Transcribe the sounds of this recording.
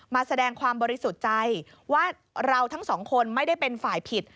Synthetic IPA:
maː˧sa˧dɛː˧ŋkʰwaː˧mbɔː˧ɾi˦˥su˨˩t̪̚t͡ɕa˧j | waː˥˩ | ɾa˧wt̪ʰa˦˥ŋsɔː˩˦ŋkʰo˧nma˥˩jda˥˩jpe˧nfaː˨˩jpʰi˨˩t̪̚

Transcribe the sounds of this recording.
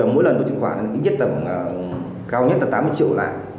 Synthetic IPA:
ɔ˧˩mo̰˧˥jlə˨˩nt̪o˧jt͡ɕʰɨ˧˩kxwaː˧˩˨a˨˩˨kḭ˧˥ɲzt̚t̪ə˨˩ə˨˩ | kaː˧wɲə˦˥t̚laː˨˩t̪aː˨˦mɨ˧˦jt͡ɕḭ˧˨əwla̰ː˧˨jʔ

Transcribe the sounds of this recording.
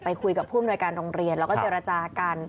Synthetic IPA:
pa˧jkʰu˧jka˨˩pʰːuː˥˨mnu˧əjkaː˧nɾoː˧ŋɾi˧ənlɛː˦˥wkɔː˥˩t͡ɕeː˧ɾa˧t͡ɕaː˧ka˧n

